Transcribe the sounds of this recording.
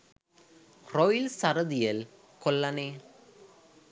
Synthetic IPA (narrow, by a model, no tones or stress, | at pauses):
krɔjɪlsɐɾɐðɪjɐl | kɔlːɐneː